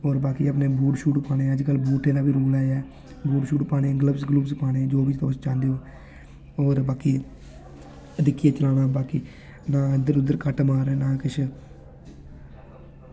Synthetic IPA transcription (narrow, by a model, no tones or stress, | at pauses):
oːɾbaːkiːəpneːbuːʈʃuːʈpaːɽ̃ẽːəd͡ʒkəlbuːʈẽːd̪aːbiːɾoːlaːjaː | buːʈʃuːʈpaːɽẽːɡləbsɡlubspaːɽ̃ẽːd͡ʒoːʋɪt͡ʃt̪ost͡ʃãːnd̪eoː | oːɾbaːkiː | əd̪ɪkːijaːt͡ʃəlaːnaːbaːkiː | nãːd̪əɾʊd̪ːəɾkəʈmaːɾeːnaːkɪt͡ʃʰ